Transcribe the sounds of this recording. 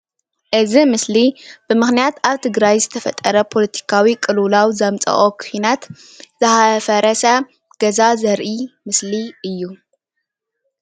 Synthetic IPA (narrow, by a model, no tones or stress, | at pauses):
ʔɨzimɨslib̥ɨmɨxnijat̪aβt̪ʰɨɡɾajzɨt̪ʰɐfɐt̪ʼːɐɾɐpʰo̞lɐt̪ʰi̥kʰawikʼɨlulawzɐmt͡sʼɐ̰χʼokʰɨinat̪ | z̥ɨhafɐɾɐsɐ | ɡ̥ɐzazɐɾʔimɨsliɨjːu